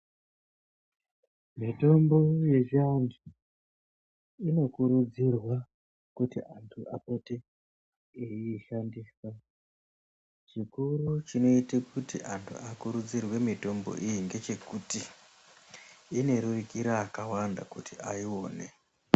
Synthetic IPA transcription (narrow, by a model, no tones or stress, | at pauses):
mito̞mbo̞je̞ʒandu | ino̞kuɾud͡zirwa | kutiʔantʰuʔapeteː | iːʃandisa | t͡ʃikuɾut͡ʃino̞itekutiʔantʰṵʔakuɾud͡zirwe̞mito̞mbo̞̰ʔijiŋɡe̞t͡ʃe̞kuti | ne̞ɾurikiɾaːkawanda̰kutiaio̞ːne